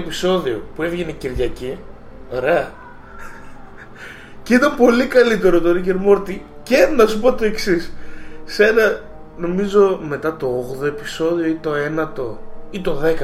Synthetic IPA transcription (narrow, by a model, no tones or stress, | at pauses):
piso̞ðio̞pue̞vʝeneciɾʝɐci | o̞ɾe̞ɐ | cit̪ɐmpo̞likɐlit̪e̞ɾot̪oɾice̞ɾmo̞ɾt̪ice̞nɐsupo̞t̪o̞e̞ksisse̞nɐ | no̞mizo̞me̞t̪ɐt̪o̞oɣðo̞e̞piso̞ðio̞it̪o̞e̞nɐt̪o̞it̪o̞ðe̞kɐ